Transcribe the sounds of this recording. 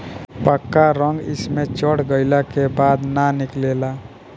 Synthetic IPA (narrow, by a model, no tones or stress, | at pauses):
pəkːaɾə̃ŋɡɪ̰smẽt͡ʃəɽɡəɪlakebaːd̪nanɪkleːla